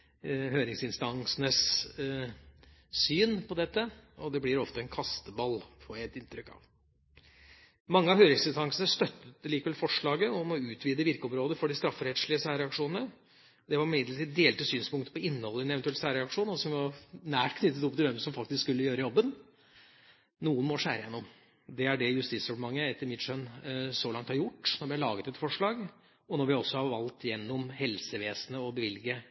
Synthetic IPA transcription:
ɦøːɾɪŋsɪnst̪ɑŋsnəs | yːnpʰɔd̪ɛt̪ːəɔd̪ɛblɪɾɔft̪əɛnkʰɑst̪əbɑlːfʰɔɛt̪ːɪnt̪ɾʏkːɑ̰ʋ | mɑŋːəɑʋhøːɾɪŋsɪnst̪ɑŋsənəst̪œt̪ːət̪liːkəʋɛlfɔʂɭɑːɡəɔmɔʉːt̪ʰʋiːd̪əʋɪɾkəɔmɾoːd̪əfɔɖɪst̪ɾɑfːɾɛt̪ʂlɪəsæːɾɛɑkʂuːnənə | d̪ɛʋɑɾɪmɪd̪lətʰiːd̪əd̪eːlt̪əsyːnspʰʊŋkt̪ə̥pɔɪnːəhɔlːəɛnɛʋɛnt̪ʉɛlsæːɾɛɑkʂuːnɔsɔmʋɪʋɑnæːʈkʰnʏt̪ːət̪ɔp̚ːt̪ɪlʋɛmsɔmfɑk̚t̪ɪskskʉlːəjøːɾəjɔbːən | nuːənmɔʂæ̰ːɾəjɛ̰nːɔm | d̪ɛæɖɛjʉst̪iːt̪sɾɛplmɑŋːəɛt̪ːəɾmɪt̪ʂœnsɔlɑŋt̪hɑɾjʊʈːnɔɾʋɪæɭɑːɡət̪ɛt̪fɔʂɭɑːɡ | ɔnɔɾʋɪɔsːɔhɑɾʋɑlt̪jɛnːɔmhɛlsəʋeːsnəɔbəʋɪlɡə

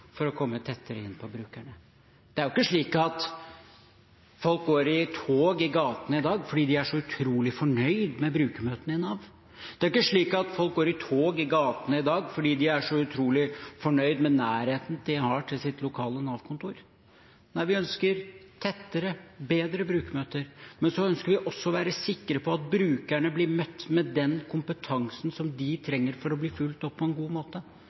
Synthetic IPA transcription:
fɔɾɔkʰɔmːət̪ʰɛt̪ʰːəɾəɪ̰nːpʰɔbɾʉːkæɳə | d̪̥ɛæɾjʊɪkːəʂɭiːkɑt̪ | fɔlk̚ɡoːɾɪt̪ʰoːɡɪɡɑːt̪ənəɪd̪ɑːɡfɔɖiːd̪ɪæʂɔʉt̪ʰɾuːlɪfɔɳœʏd̪mɛbɾʉːkəmøːt̪ənɪnɑːʋ | d̪̥ɛæɾɪkːəʂɭiːkɑt̪fɔlk̚ɡoːɾɪt̪ʰoːɡɪɡɑːt̪ənəɪd̪ɑːɡfɔɖiːd̪ɪæʂɔʉt̪ʰɾuːlɪfɔɳœʏd̪mɛnæːɾheːt̪n̩d̪̥ɪhɑʈʰɪlsɪt̪lʊkʰɑːlənɑːʋkʰʊnt̪ʰuːɾ | næɪʋɪœnskəɾt̪ʰɛt̪ːəɾəbeːd̪ɾəbɾʉːkmøːt̪əɾmɛnsɔœnskəɾʋɪʔɔsːɔɔʋæːɾəsɪkːəɾəpʰɔɑt̪̚bɾʉːkæɳəblɪɾmœt̪ːmɛd̪ɛnkʰʊmpət̪ʰɑŋsn̩sɔmd̪ɪt̪ʰɾɛŋːəɾfɔɾɔbliːfʉlt̪ɔpʰːɔɛnɡuːmoːt̪ə

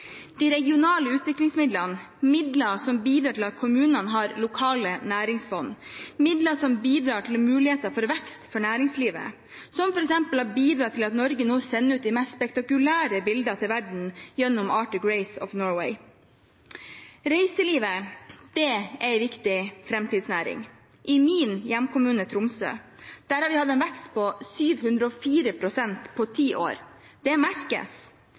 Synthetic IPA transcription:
d̪̥iːɾɛɡɪʊnɑːləʉːt̪ʰʋɪklɪŋsmɪd̪lɑn | mɪd̪lɑsɔmbiːd̪ɾɑːʈʰɪlɑt̪̚kʰʊmʉːnɑnɦɑːɾlʊkʰɑːlənæːɾɪŋsfɔnːmɪd̪lɑsɔmbiːd̪ɾɑːʈʰɪlɔmʉːlɪheːt̪ɑfɔɾʋɛkst̪fɔɳæːɾɪŋsliːʋə̰ | sɔmfɔɾɛksɛmpəlɑɾbiːd̪ɾɑːt̪ʰɪlɑt̪nɔɾɡənoːsɛnːəʉːt̪̚d̪ɪmɛsspɛkt̪ɑkʉlæːɾəbɪld̪ɑt̪ʰɪlʋæɖɳ̩jɛnːʊmɑːʈəɡɹeɪsɔ̰fnɔːɹwḛɪ | ɾeɪsəliːʋəd̪̥ɛæɪʋɪkt̪ɪfɾɛmt̪iːd̪snæːɾɪ̰ŋ | ʔɪmiːnjæmkʰʊmʉːnət̪ʰɾʊmsø̰ː | d̪̥æɾhɑɾʋɪhɑd̪əɛːnʋɛkst̪pʰɔsyːʋhʉnd̪ɾəɔfiːɾəpʰɾʊsɛnt̪pʰɔt̪ʰiːʔo̰ːɾ | d̪̥ɛmæɾkə̰s

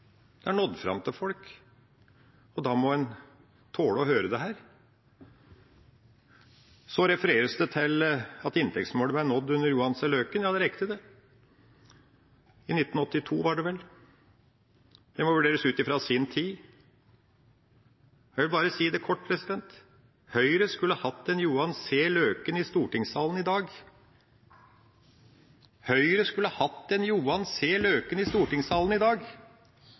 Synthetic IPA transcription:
d̪̥ɛæɳɔd̪fɾɑ̰mt̪ʰɪlfɔlk | ɔd̪ɑːmɔɛn | t̪ʰoːɽɔhøːɾəd̪ɛɦæːɾ | sɔɾɛfəɾeːɾəsd̪ɛt̪ʰɪlɑt̪ɪnt̪ʰɛktsmoːləb̪æɳɔd̪ːʉnːəɾjuːɑnsɛløːkənjɑːd̪ɛɾɛkːət̪ʰəd̪ɛ | ɪnɪt̪ːn̩ɔt̪ːɪt̪ʰuːʋɑɖɛʋɛl | d̪̥ɛmɔʋʉɖeːɾəsʉːt̪ɪfɾɑsɪnt̪ʰiː | jæʋɪlbɑːɾəsiːd̪ɛkʰɔʈ̚ːpʰɾɛsɪd̪ɛnt̪ | hœʏɾəskʉlːəhɑhɑt̪ːɛnjuːɑnseːløːkənɪst̪uːʈɪŋsɑːlənɪd̪ɑːɡ | hœʏɾəskʉlːəhɑːhɑt̪ːɛnjuːɑnseːløːkənɪst̪uːʈɪŋsɑːln̩ɪd̪ɑːɡ

